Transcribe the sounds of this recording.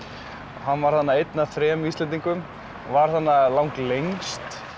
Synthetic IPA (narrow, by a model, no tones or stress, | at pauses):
ɦanːvaɾ̥θanːaejt̪naθɾɛːmiːst̪ɛnt̪̬iŋkʏm | vaɾ̥θanːalawŋklejŋst̪